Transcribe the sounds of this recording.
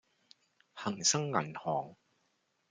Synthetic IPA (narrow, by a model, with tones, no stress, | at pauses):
hɐ˨˩ŋsɐ˥ŋːɐ˨˩nhɔː˨˩ŋ